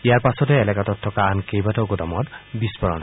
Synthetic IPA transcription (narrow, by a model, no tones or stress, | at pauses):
ijaɹpasɔt̪eelɛkat̪ɔt̪ʰːɔkankejbat̪ɔwɡot̪ɔmɔt̪bispɔɾɔ̰n